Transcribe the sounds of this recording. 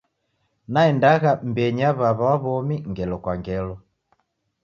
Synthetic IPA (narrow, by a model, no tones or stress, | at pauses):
naɛndaɣam̩bɛɲaβaβawaβɔmiŋɡɛlɔkwaŋɡɛlɔ